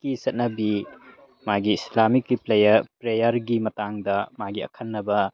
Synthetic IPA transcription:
kisɐt̚nɐbi | maɡiːslamikːiplejɐpɾejɐɾɡimɐtaŋdɐmaɡiɐ̰kʰɐnːɐbɐ

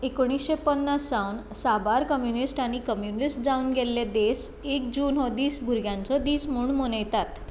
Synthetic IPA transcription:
ekoɽ̃isɕepənːasːawn | sabaɾkəmjunisʈaɽ̃ikəmjunisʈ̚d͡zaunɡɛlːed̪esekd͡ʑuːnɦɔd̪iːsbʱuɾɡjãnt͡sɔd̪iːsmuːɳmonəjt̪at̪

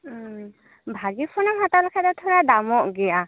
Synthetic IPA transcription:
bʱaɡipʰɔnamɦatalɔkʰadat̪ʰɔɹadamɔʔɡɛja

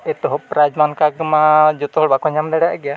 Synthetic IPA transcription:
ɛt̪ɔɦɔpɾad͡ʒmankaɡmad͡ʒɔt̪ɔɦɔɽbakɔɲamd̪ɛɽaʔɡɛja

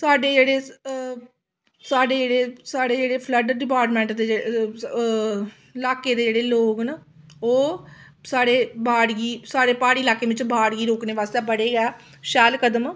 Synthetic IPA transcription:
saːɖeːd͡ʒeːɽeː | saːɖeːd͡ʒeːɽeːsaːɽeːd͡ʒeːɽeːpʰləɖəɖɪpaːɾʈmɛ̃ːɳʈd̪eː | ɪlaːkeːd̪eːd͡ʒeːɽeːloːɡna | oː | saːɽeːbʱaːɽɡiːsaːɽeːpaːɽiːlaːkeːʋɪt͡ʃbaːɽɡiːɾoːkneːʋaːst̪ɛːbəɽeːɡɛː | ʃɛːlkəd̪əm

